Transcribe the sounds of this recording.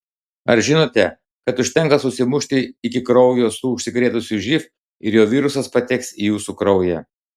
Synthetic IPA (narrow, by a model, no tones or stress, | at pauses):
ɐɾʒʲɪnoːt̪ʲɛ | kɐt̪ʊʃʲt̪ʲɛŋˑkɐsʊsʲɪmʊʃʲt̪ʲɪɪkʲɪkɾɒʊjoːsuːʊʃʲsʲɪkɾʲeːt̪ʊsʲʊʒʲɪf | ɪɾjoːʋʲiːɾʊsɐspɐt̪ʲɛksijuːsukɾɒʊjɛ